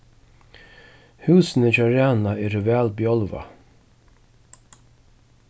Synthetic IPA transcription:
hʉːsnət͡ʃaːɾaːnaɛːɾvæːlbjɔlva̰

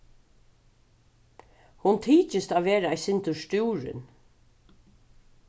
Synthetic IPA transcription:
hʊnt̪ʰiːt͡ʃəst̪aːʋeːɾaɛjsɪnt̪ʊʃt̪uːɹɪ̰n

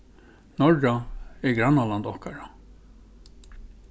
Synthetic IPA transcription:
nɔɹaɛɡɾanːaland̪ɔhkaɹa

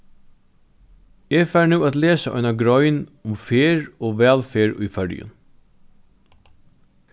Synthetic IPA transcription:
eːfæːɹnʉːæːt̪leːsaʔɔ̰ʏnaɡɾɔʏnʊmfeːɹoːʋɛːlfeːɹʊ̰jfœɹjʊ̰n

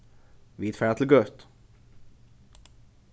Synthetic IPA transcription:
viːt̪fæːɖat̪ʰɪlɡœt̪ː

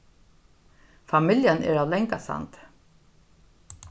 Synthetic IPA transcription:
famɪljənɛ̰ɹaːvlɛŋkasa̰nt̪

